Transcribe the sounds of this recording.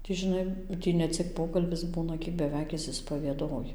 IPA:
tʲiː ʒʲɪˈnɐɪ ˈtʲiː nʲɛˈt͡sʲɪk ˈpoːkɐlʲbʲɪs ˈbuːnɐ ˈkʲiɛk bʲɛˈʋʲɛɪk ˌɪʃʲsʲɪspɐʋʲiɛˈdoːjɪ

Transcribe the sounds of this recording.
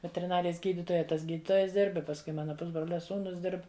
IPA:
ʋʲɛtʲɛrʲɪˈnɑːrʲɪjɛs ˈɡʲiːdʲɪtoːjɛ ˈtɐs ˈɡʲiːdʲɪtoːjɛs ˈdʲɪrp ɪ pɐsˈkʊɪ ˈmɑːnɐ ˈpʊzbroːlʲɛ ˈsuːnʊs ˈdʲɪrp

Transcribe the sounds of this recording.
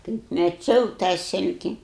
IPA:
kɐɪp mʲɛˈt͡ʃʲɛʊ tɑː ˈsʲɪlʲkʲɪ

